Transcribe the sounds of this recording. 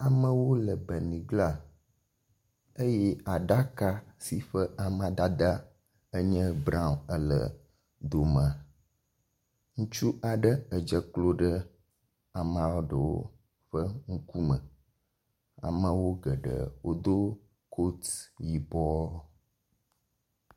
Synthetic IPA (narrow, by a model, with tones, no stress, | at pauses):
a˨mə̃˦wo˦lə˨bə˨nĩ˨ɡla˦ | ə˦jɛ˦a˨ɖa˦ka˦si˨ɸə˦ʔa˨mã˦d̪a˦d̪a˦ | ə˦ɲə̃˦bɾã˦˨ə˦lə̰˨ | d̪o˨m˨a˨ | ŋũ˦t͡ʃu˦ʔa˨ɖə˦ə˨d͡ʒə˦klo˦ɖə˦ | a˨mã˦ɔ˦ɖə˨wo̰˦ | ɸə˦ŋ̩˦ku˦mə̰̃˨ | a̰˨mə̃˦wo˦ɡə˨ɖə̰˨wo˦d̪o˦ | kʰo˦t̪ji˨bɔ˦